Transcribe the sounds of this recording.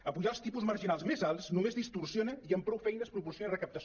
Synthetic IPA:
əpuʒaəlˠst̪ipuzməɾʒinalˠzmezalˠsnumezðist̪ursjonəiəmpɾɔwfɛjnəspɾupursjonirəkəp̚t̪əs

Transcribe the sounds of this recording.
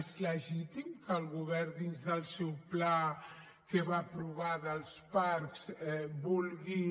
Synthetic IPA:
zləʒit̪imkəlɣuβɛɾd̪inzðəlˠsɛwpla | keβapɾuβaðəlˠspaɾksbulɣi

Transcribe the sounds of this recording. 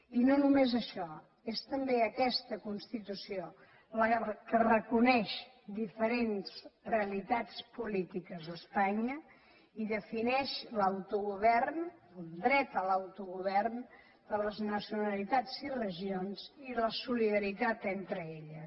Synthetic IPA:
inonumezəʃɔ | est̪əmbeəkɛst̪əkunst̪it̪usio | ləkərəkunɛʃ | d̪ifəɾenzreəlit̪at͡spulit̪ikəzðəspaɲə | iðəfinɛʃlawt̪uɣuβɛrnəlˠd̪ɾɛt̪əlawt̪uɣuβɛrn | d̪ələznəsiunəlit̪ad͡zirəʒionziləsuliðəɾit̪at̪ent̪ɾəeʎə

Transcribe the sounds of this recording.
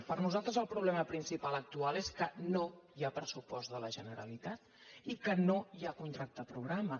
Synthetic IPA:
pəɾnuzalˠt̪ɾəzəlˠpɾuβlɛməpɾinsipalək̚t̪ualˠeskənojapɾəsupɔzdələʒənəɾə̰lit̪at̪ | ikənojakunt̪ɾak̚t̪əpɾuɣ̞ɾamə

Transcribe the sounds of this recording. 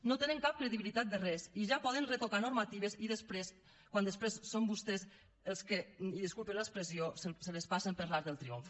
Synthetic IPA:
not̪enəŋkap̚kɾeðiβilit̪at̪̚d̪ərɛsiʒapɔðənret̪okanuɾmat̪iβ̞eziðəspɾes | kwand̪əspɾesːombust̪ɛs | əlˠskeiðəskulpeləkspɾeziossələspasəmpəɾlaɾðəlˠt̪ɾioɱf

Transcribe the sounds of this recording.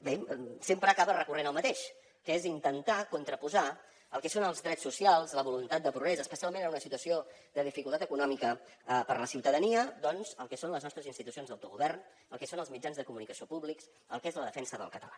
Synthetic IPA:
besempɾəːkaβərəkurenəlˠmət̪eʃ | kəezint̪ənt̪akunt̪ɾəpuza | əlˠkɛsonəlˠzðɾɛsusialˠzləβulunt̪at̪̚d̪əpɾuɣɾɛzəːspəsialˠmẽnəunəsit̪uəsiod̪əðifikulˠt̪at̪əkunɔmikəəpəɾləsiwt̪əðəniəd̪ɔnzəlˠkɛsonləznɔst̪ɾəzinst̪it̪usionzðəwt̪uɣuβɛrn | əlˠkɛsonəlˠzmid͡ʒanzðəkumunikəsiopuβliks | əlˠkezləðəfɛnsəðə̰lˠkət̪əla

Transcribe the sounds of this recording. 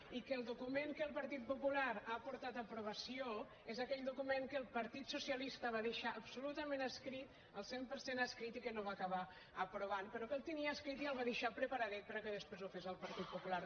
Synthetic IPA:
ikəlˠd̪ukumeŋkəlˠpəɾt̪it̪̚pupulaɾaːpuɾt̪at̪əpɾuβ̞əsio | ezəkɛʎd̪ukumeŋkəlˠpəɾt̪it̪susiəlist̪əβ̞aðəʃaʔəbsulut̪əmẽnəskɾit̪ | əlˠsempəɾsenaskɾit̪ikənoβaːkəβa | əpɾuβ̞anpəɾɔkelˠt̪əniəːskɾit̪iəlˠβaðəʃapɾəpəɾaðɛt̪̚pəɾəkəðəspɾezufezəlˠpəɾt̪it̪̚pupulaɾ

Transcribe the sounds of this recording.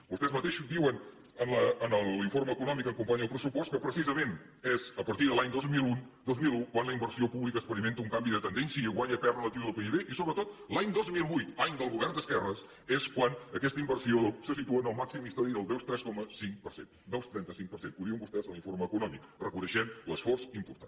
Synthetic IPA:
bust̪ɛzmət̪eʃud̪iwən | ənləənəlˠiɱforməːkunɔmikəŋkumpaɲəlˠpɾəsupɔst̪̚kəpɾəsizəmẽn | ɛzəpəɾt̪iðəlaɲd̪ozmilun | d̪ozmilˠukwanləimbəɾsiopuβlikəspəɾiment̪əuŋkambiðət̪ənd̪ɛnsjəəɣwaɲəpɛrələt̪iwðəlˠpeiβeʔisoβɾət̪ot̪laɲd̪ozmilˠβujt̪laɲd̪əlˠɣuβɛrnd̪əskɛrəs | ɛskwanəkɛst̪əimbərsiosəsit̪uənəlˠmaksimist̪aðiðəlˠd̪ɛwst̪ɾɛskɔməsiŋkpəɾsḛn | d̪ɛwst̪ɾɛnt̪əsiŋk̚pəɾsenpuðɾiəŋbust̪ɛzəlˠiɱforməkunɔmikrəkunəʃɛmləsfɔrsimpuɾt̪an

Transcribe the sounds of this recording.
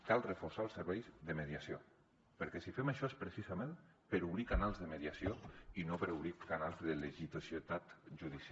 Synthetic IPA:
kalˠrəfoɾsaəlˠsəɾβɛjzðəməðiasio | pəɾkɛsifɛməʃɔespɾəsizamem | pəɾuβɾikanalˠzðəmeðiasioinopəɾuβɾikanalˠzðəleʒit̪osiət̪at̪ʒuðisa

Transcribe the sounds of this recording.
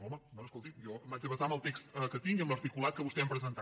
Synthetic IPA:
ɔmənoskolˠt̪ijɔmbad͡ʒəβəzaməlˠt̪ekst̪əkət̪iŋiə̃mləɾt̪ikulˠat̪̚kəβust̪ɛmpɾəzənt̪a

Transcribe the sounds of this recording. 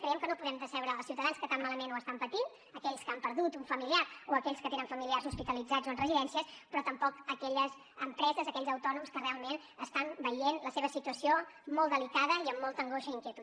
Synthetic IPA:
kɾəjɛmkənopuðɛmd̪əsɛwɾəːlˠsiuwt̪əðanskət̪ammaləmenoəst̪ampət̪in | əkɛʎskampəɾðut̪uɱfəmiliaɾoəkɛʎskət̪enəɱfəmiliarzuspit̪əlid͡zad͡zoənrəziðɛnsiəspɾɔt̪əmpɔkəkɛʎəz | əmpɾɛzəzəkɛʎzəwt̪ɔnumskərealˠmen | əst̪ambəjenləseβəsit̪uəsiomɔlˠd̪əlikaðəiəmːɔlˠt̪əŋɡoʃəiŋkjət̪u

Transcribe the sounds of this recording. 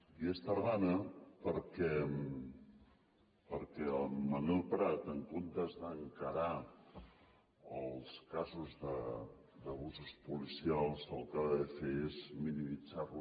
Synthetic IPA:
iest̪əɾðanəpəɾkɛ | pəɾkɛəlmənolˠpɾat̪əŋkont̪əzðəŋkəɾa | əlˠskazuzðə | d̪əβuzuspulisialˠsəlˠkaðəfeezminimid͡zaru

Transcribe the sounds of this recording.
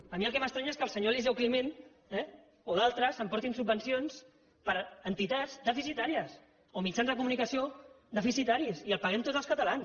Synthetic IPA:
əmiəlˠkɛməst̪ɾɛɲaeskəlˠsəɲolizɛwklimen | ɛ | oðalˠt̪ɾəzəmpɔɾt̪insubːənsions | pəɾənt̪it̪ad͡zzd̪əfisit̪aɾiəs | omit͡ʃanzðəkumunikəsio | ðəfisit̪aɾisiəlˠpəɣɛmt̪odd͡zəlˠskət̪əlans

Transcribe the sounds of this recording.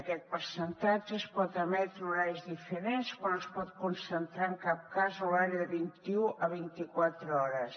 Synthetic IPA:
əkɛt̪̚pəɾsənt̪ad͡ʒəːspɔt̪əmɛt̪ɾəuzajzðifəɾenskwanospɔt̪̚kunsənt̪ɾaəŋkap̚kazolaɾəðəβint̪iuʔəβint̪ikwat̪ɾəɔɾəs

